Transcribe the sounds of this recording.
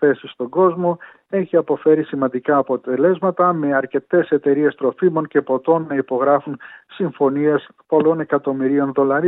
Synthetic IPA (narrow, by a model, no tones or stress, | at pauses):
θe̞sist̪o̞ɡo̞zmo̞ | e̞çiɐpo̞fe̞ɾisimɐnd̪ikɐːpo̞t̪e̞le̞zmɐt̪ɐme̞ɐɾce̞t̪e̞se̞t̪e̞ɾie̞st̪ɾo̞fimo̞nce̞po̞t̪o̞nːɐipo̞ɣɾɐfunsiɱfo̞nie̞spo̞lo̞ne̞kɐt̪o̞miɾio̞nðo̞lɐɾi